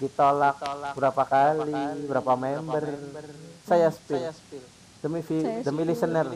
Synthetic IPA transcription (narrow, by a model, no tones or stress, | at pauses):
dit̪olak̚bəɾapakalibəɾapamɛmbərsajasə̥pɪ | d̥əmifidəmilisənər